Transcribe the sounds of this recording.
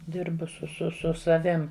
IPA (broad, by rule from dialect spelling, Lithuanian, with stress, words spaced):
ˈdʲɪrbʊ sʊ sʊ ˈsʊ sɐˈʋʲɪm